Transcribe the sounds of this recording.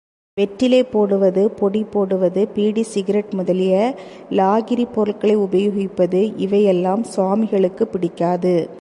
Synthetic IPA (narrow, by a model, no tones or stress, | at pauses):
ʋɛʈrɪleːpːoːɽɯʋɐðɯpɔɽipːoːɽɯʋɐðɯpiːɽisɪɣɐɾɐʈmʊðɐlɪjɐ | laːɣɪɾipːɔɾɐɭkɐɭɐɪʊbɐjʊɣɪpːɐðɯʔɪʋɐjɛlːaːmsaːmɪɣɐɭɯkːɯpːɪɽɪkːaːðɯ